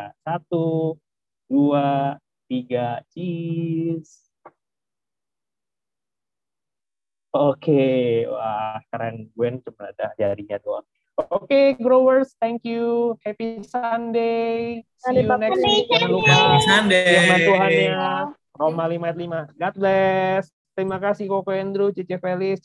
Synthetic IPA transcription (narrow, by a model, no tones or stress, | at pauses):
asat̪u | dua | t̪iɡat͡ʃi | s | okewahkaɾaŋɡuɛnt͡ʃumana̰dad͡ʒaɾiɲat̪ua̰ | okeɡɾowərst̪ɛŋkjuhɛpisandesilanɛkswikaukaisandeəmasuɦanɲa | romalimajat̪̬̚limaɡat̪̚blɛs | t̪əɾimakasɪhkokoɛnd̪ɾut͡ʃit͡ʃɛfelɪs